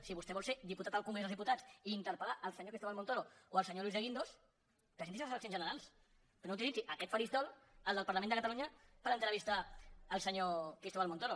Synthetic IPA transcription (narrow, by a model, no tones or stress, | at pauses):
siβust̪ɛβɔlˠsed̪iput̪at̪aəlˠkumezəzðiput̪at͡siːnt̪əɾpəlaʔəlsəɲokist̪oβalmont̪oɾooəlsəɲolwizðəɣind̪os | kəsent̪isiləsələksionʒənəɾalˠs | knouwt̪ilid͡ziʔəkɛt̪fəɾist̪ɔləlˠd̪əlˠpəɾləmẽnd̪əkət̪aluɲəpəɾənt̪ɾəβist̪aəlˠsəɲokɾist̪oβalmont̪oɾo